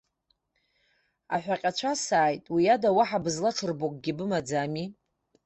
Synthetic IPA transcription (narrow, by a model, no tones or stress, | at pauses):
a̰ħʷᶣaqʲʼat͡ɕʷʰasaːjtʼwiadawaħabɨzlaʈ͡ʂʰɨrbokʼɡʲibɨmad͡zami